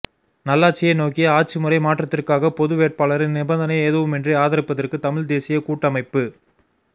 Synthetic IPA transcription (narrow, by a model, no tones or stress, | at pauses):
nɐlːaːt͡ʃːɪjɐnoːkɪjɐaːʈ̚t͡ʃːɯmɯɾɐɪmaːʈrɐt̪ːɪrkaːɣɐpɔðɯʋeːʈ̚paːɭɐɾɪnnɪbɐnd̪ɐnɐɪeːðɯʋɯmɛndrɯaːðɐɾɪpːɐðɐrkɯt̪ɐmɪɻd̪eːsɪjɐkuːʈːɐmɐɪpːɯ